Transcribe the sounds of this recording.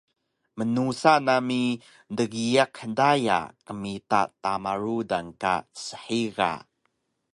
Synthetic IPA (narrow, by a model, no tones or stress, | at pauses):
mənusanami | ndəɡiakħədaja̰kəmita̰tamaɾudanka̰səħiɣa̰